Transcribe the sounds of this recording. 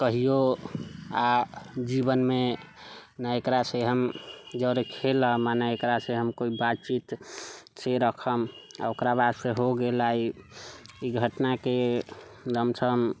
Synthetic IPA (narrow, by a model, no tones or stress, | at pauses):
kəɦijo | ad͡ʒibənme | naekɾaseɦəmd͡ʒəɾekʰeləmanəekɾaseɦəmkoibat͡ʃit̪seɾəkʰəma̰okɾabad̪seɦoɡelai | iɡʱəʈnake | d͡ʒəmt͡ʃʰəm